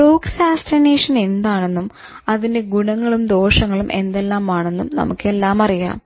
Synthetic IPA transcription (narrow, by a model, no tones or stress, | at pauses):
uːksaːstineːʂɐnend̪aːɳe̞nːum | ɐðinde̞ɡuɳɐŋːɐɭumd̪o̞ːʂɐŋːɐɭumʔe̞̰nd̪e̞lːaːmaːɳe̞nːumnɐ̰mukːe̞lːaːmɐrija̰ːm